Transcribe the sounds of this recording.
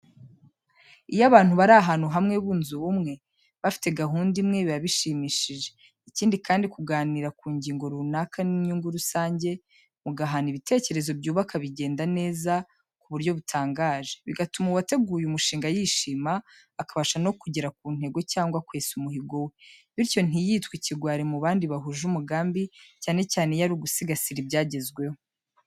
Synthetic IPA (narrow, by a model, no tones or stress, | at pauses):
ijaβaːn̥huβaɾaɦaːnuɦamŋe̞βuːnzuβumŋe̞ | βafi̥te̞ɡaɦuːndimŋe̞βiaβiʃiːmiːʃiʒe̞ | iciːndikaːndikuɡaːniɾakuːɲɟiːŋɡo̞ɾunakʰaniɲuːŋɡuɾusaːɲɟe̞ | muɡaɦaniβite̞ːce̞ɾe̞zo̞bɟuːβakʰaβiɟe̞ːndane̞ːza | kuβuɾɟo̞βutʰaːŋɡaːʒe̞βiɡatumuwate̞ɡuːjumuʃiːŋɡajiːʃiːmaː | kaβaʃano̞kuɟeɾak̚uːn̥he̞ɡo̞caːŋɡwakweːsumuɦiɡo̞we̞βiɾco̞n̥ijiːtkwiciɡwaːɾimuβaːndiβaɦuʒumuɡaːmbicaːne̞caːne̞jaɾuɡusiɡasiɾibɟaːɟe̞zɡwe̞ho